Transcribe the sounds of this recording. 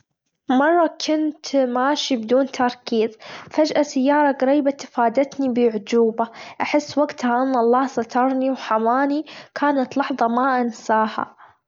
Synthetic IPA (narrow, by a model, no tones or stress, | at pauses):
mɑrˤːɑkʰʊnt̪maːʃibd̪uːnt̪ʰɑɾˤkiːzfad͡ʒʔasɪjːɑːɾˤɑɡɑɾiːbat̪ɪ̥faːd̪at̪nibɪʕʊd͡ʒuːbaʔaħɪsːwaɡt̪haʔɪnːʔɑlˤːɑːhsˤɑt̪ʰɑɾˤniwħamaːnikʰaːnat̪lɑħðˤɑmaʔansaːha̰